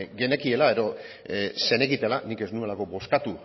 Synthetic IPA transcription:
ɡe̞ne̞kie̞lae̞ðo̞ | se̞ne̞ɣit̪elanike̞znue̞lako̞bo̞skat̪u

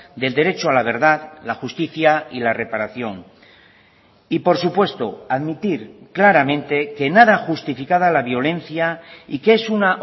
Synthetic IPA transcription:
d̪e̞ld̪e̞ɾe̞t͡ʃoalaβ̞e̞ɾðaðlaxust̪iθjailarepaɾaθjo̞ŋ | ipo̞ɾsupwe̞st̪o̞aðmit̪iɾklaɾamẽ̞nt̪e̞ke̞naðaxust̪ifikaðalaβjo̞le̞n̟θjaikeesuna

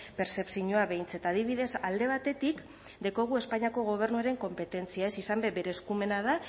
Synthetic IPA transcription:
pe̞ɾse̞psiɲoaβe̞jnt͡se̞t̪aːðiβ̞iðe̞sald̪e̞β̞at̪e̞t̪ik | d̪eko̞ɣ̞ue̞spaɲiako̞ɣ̞o̞β̞e̞ɾnuaɾe̞ŋko̞mpe̞t̪e̞nt͡siae̞sisambe̞be̞ɾe̞ːskume̞nað̞a

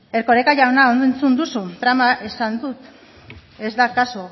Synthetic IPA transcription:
e̞ɾko̞ɾekaʝawnaond̪oent͡sund̪usut̪ɾamaʔe̞sand̪ut̪ | e̞zd̪akaso

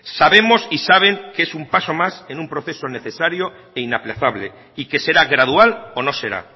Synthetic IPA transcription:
saβe̞mo̞sisaβ̞e̞ŋkeesumpaso̞mase̞numpɾo̞θe̞so̞ne̞θe̞saɾjo̞ | einaplaθaβ̞le̞ | ike̞se̞ɾaɣɾað̞ualono̞se̞ɾa̰

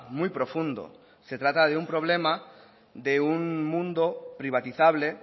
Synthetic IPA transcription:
mujpɾofũnd̪o̰ | set̪ɾat̪aðeumpɾoβ̞lema | d̪euŋmũnd̪opɾiβ̞at̪iθaβle

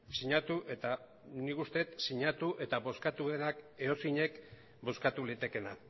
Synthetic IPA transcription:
siɲat̪uʔe̞t̪a | nikust̪e̞t̪siɲat̪uʔe̞t̪aβo̞skat̪uðe̞nake̞o̞siɲe̞k | bo̞skat̪ulit̪e̞ke̞na

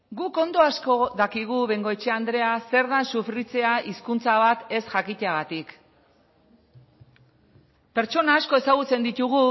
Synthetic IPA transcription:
ɡuko̞nd̪o̞asko̞ðakiɣ̞uβe̞ŋɡo̞et͡ʃe̞and̪ɾe̞ase̞ɾðansufɾit͡se̞aʔiskunt͡saβat̪e̞sʝakit̪eaɣat̪ik | pe̞ɾt͡ʃo̞naːsko̞e̞saɣ̞ut͡se̞nd̪it̪uɣu

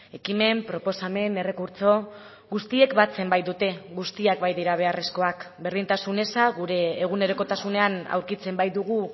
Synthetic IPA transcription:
e̞kime̞mpɾo̞po̞same̞ne̞re̞kuɾt͡so̞ | ɣust̪ie̞kbat͡se̞mbajd̪ut̪e̞ɣust̪iak̚bajðiɾaβ̞e̞are̞sko̞akbe̞ɾðint̪asune̞saɣuɾe̞ːɣ̞une̞ɾo̞ko̞t̪asune̞ana̰wɾkit͡se̞mbajd̪uɣu

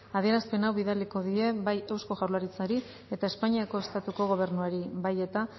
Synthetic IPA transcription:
aðie̞ɾaspe̞nawβiðaliko̞ðie̞βaje̞wsko̞ʝawlaɾit͡saɾi | e̞t̪aespaɲiako̞est̪at̪uko̞ɣo̞β̞e̞ɾnuaɾiβaje̞t̪a

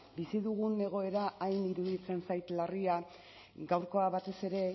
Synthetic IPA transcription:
bisiðuɣune̞ɣ̞o̞e̞ɾaʔajniɾuðit͡se̞nsajt̪laria | ɡawɾko̞aβat̪e̞se̞ɾe̞

